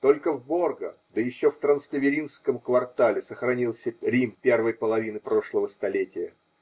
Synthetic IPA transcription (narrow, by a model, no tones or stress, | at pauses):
t̪o̞lʲkəvbo̞rɡəd̪əjɪɕːoft̪ɾənst̪ʲəvʲɪɾʲinskəmkvɐrt̪alʲɪsəxɾɐnʲilˠsʲəɾʲimpʲe̞rvəjpəlˠɐvʲinɨpɾo̞ʂlˠəvəst̪ɐlʲetʲɪjə